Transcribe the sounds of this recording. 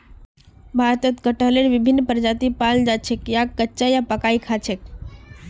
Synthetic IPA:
bʱaɾt̪ət̪kəʈəɦleɽʋɪbʱinːpəɾd͡ʒat̪ipald͡ʒat͡ʃʰekjaːətːt͡ʃajapəkaikʰat͡ʃʰek̚

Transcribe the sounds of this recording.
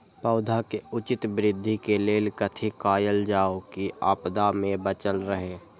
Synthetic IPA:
pəʊd̪ʱakeʊt͡ʃɪt̪bɾɪd̪ʱːikeleːlkət̪ʰikaːjəld͡ʒaːokia̰ːpd̪amẽbət͡ʃəlɾəɦeː

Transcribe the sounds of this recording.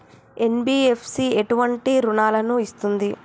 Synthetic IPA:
e̞nbiːepʰsieʈuʋɐɳʈiɾunaːlɐnuist̪und̪i

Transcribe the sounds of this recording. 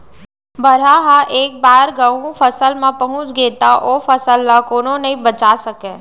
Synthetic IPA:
bɐɾ̤aɦaʔeːk̚baːɾɡaũpʰɐsəlmãpɐɦʊ̃t͡ʃɡeːt̪aʔoːfʰəsəlːakoːnõnɐɦĩbɐt͡ʃaːsɐkẽː

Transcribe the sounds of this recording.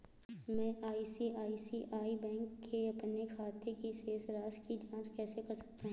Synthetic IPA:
mɛ̃ʔaːisiaːisiʔaːibɛ̃ːŋkːeɐpnekʰaːt̪ʰekiseːsɾaːskid͡ʒãːt͡ʃkɛːsekɐɾsɐ̥k̚t̪aɦũ

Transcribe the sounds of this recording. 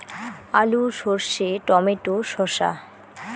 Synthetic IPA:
aluʃoɾʃeʈɔmeʈoʃɔʃa̰

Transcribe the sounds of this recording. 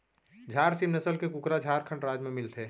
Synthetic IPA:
d͡ʒʱaːɾsimnəsəlkekʊkɾad͡ʒʱaːɾkʰə̃ɳʈɾaːd͡ʒmẽmɪlt̪ʰeː

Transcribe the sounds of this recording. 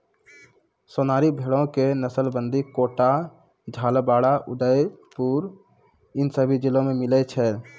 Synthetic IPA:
sonaːɾibʱeɽõkenəsəlbənd̪ʱikoʈa | d͡ʒʱaːlbaːɽaʔʊɖəjpuɾ | ɪnsəbʱid͡ʒilõmemɪlɛt͡ʃʰɛ

